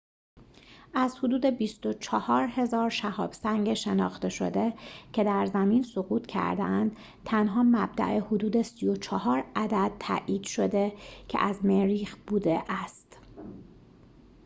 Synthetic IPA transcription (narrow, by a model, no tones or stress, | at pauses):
ʔæz̥hod̪uːd̪e̞bist̪o̞t͡ʃʰɒhɒːɾhe̞zɒːɾʃæhɒ̰ːb̥sæŋɟeʃe̞nɒ̰ːxt̪e̞ʃo̞̰d̪e̞cʰe̞d̪æɾzæmiːnsoɣuːt̪ʰcʰæ̰ɾd̪ḛʔænd̪̥ | t̪ʰænɦɒːmæbd̪æ̰ʔehod̪uːd̪e̞sijo̞t͡ʃʰɒɦɒːɾæd̪æd̪̥̚t̪ʰæ̰ːʔiːd̪̥ʃo̞d̪e̞cʰḛʔæzmeɾiːxb̥uːd̪eʔæst̪